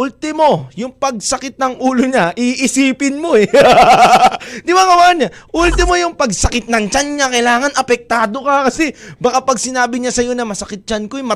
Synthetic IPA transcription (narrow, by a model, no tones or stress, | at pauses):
ʔult̪ɪmo̞jʊŋpɐɡ̚sɐkɪt̪̚nɐŋʔuːlo̞ɲaʔiʔɪsiːpɪnmo̞ɛ | d̪ɪbaŋɐwaɐnaʔult̪ɪmo̞jʊŋpɐɡsɐkɪt̪̚nɐŋt͡ʃanɲakɐjlaːŋɐnɐpɛk̚t̪aːd̪o̞kɐkɐsɛbɐkapɐɡ̚sɪnaːbɪɲasɐjo̞nɐmɐsɐkɪt̪̚t͡ʃankojmɐ